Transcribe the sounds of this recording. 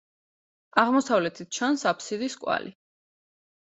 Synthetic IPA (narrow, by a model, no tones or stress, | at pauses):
aʁmɔsavlɛt̪ʰit̪̚t͡ʃʰansapʰsid̪iskʼwa̰li